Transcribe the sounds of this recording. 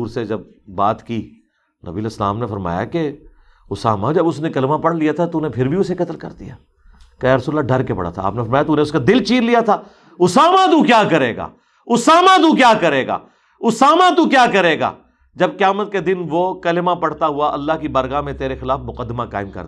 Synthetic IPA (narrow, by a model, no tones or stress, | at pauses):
uːɾsed͡ʒɐb̚ː | aːt̪ki | nɐ̰biəlesla̰ːmnefɐɾma̰ːja̰ke | ʊsa̰ːmad͡ʒɐbʊsnẽkɐlɪmapɐɽlijat̪ʰat̪ounẽpʰɪɾbʱiʊsekɐt̪əlkɐ̰ɾd̪ḭja̰ː | kɐːjaɾəsuːɾəlːaɖɐɾkepɐ̰ɽa̰t̪ʰa̰a̰ːpnefɐɾmaːjat̪unẽʊskad̪ɪlt͡ʃiːɾlijat̪ʰaː | ʊsaːmat̪̬ukjaːkɐɾeːɡa̰ː | ʊsaːmat̪ukjaːkɐɾeːɡa̰ː | ʊsaːmat̪ukjaːkɐɾeːɡa̰ː | d͡ʒɐb̚qɪjaːmət̪̚ked̪ɪnʋokɐlɪmapɐɽt̪aɦʊaʔɐlːaɦkibɐɾɣamẽt̪eːɾexɪlaːfmʊqəd̪ːɪmaka̰ːɪmkɐ̰ɾ